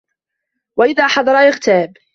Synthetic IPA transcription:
waʔɪðaːħɑðˤɑɾˤɑʔɪɣt̪aːb

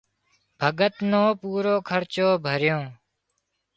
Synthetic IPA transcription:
bʱəɡət̪nõːpuːɾoːkʰəɾt͡ʃoːbʱəɾjõː

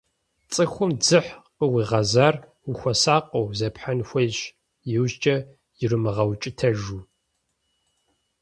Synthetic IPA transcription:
t͡sʼɨxʷʊmd͡zɨħqəwiːʁɐzaːr | uxʷɐsaːqʷʼɐwzɐpħanxʷɐjɕ | jɪwʑt͡ʃʼɐ | jɪrɨmɨʁɐwt͡ʃʼɪtʰɐʒuː

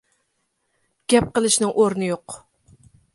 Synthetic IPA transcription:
ɡ̥ʲɛp̚qəlˠɨʃnɨŋʔoɾnɨjoq

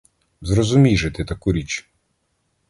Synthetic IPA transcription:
zɾɔzʊmʲiʒɪt̪ɪt̪ɐkuɾʲit͡ʃ

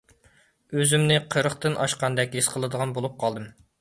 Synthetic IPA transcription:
øzymnɪqʰəɾəχt̪ɨnʔɑ̰ʃqɑnd̪ɛkʲɦesqʰəlˠɨd̪əʁɑnbolˠup̚qʰɑlˠd̪ɨm

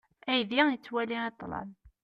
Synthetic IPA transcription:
æjðijət͡sːwæliæt̪ˤlɑ̰l

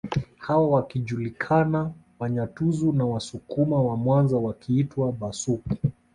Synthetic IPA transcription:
hawawakiʄulikʰana | waɲatuzunawasukumawamwanzawakʰiitwaɓasuki

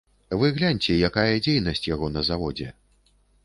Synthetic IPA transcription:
vɨɣlʲanʲt͡sʲɛjakajɛd͡zʲejnɐsʲt͡sʲjaɣɔnɐzavɔd͡zʲɛ̰

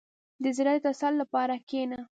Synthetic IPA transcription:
d̪əzɪɾad̪ət̪asalːapɑɾakena

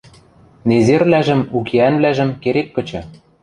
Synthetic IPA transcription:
nezerlæʒɘ̆mukʰeænβlæʒɘ̆mkeɾekːɤ̆t͡ɕɤ̆

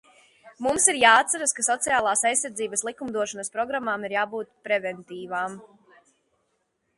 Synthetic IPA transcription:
mumsiɾjaːt̪saɾaskasɔt̪sijaːlˠaːsajsːaɾd̪ziːbəslˠikumd̪uɔʃɔnɐspɾɔɡɾamːaːmiɾjaːbuːt̪pɾɛvɛnt̪iːvaːm

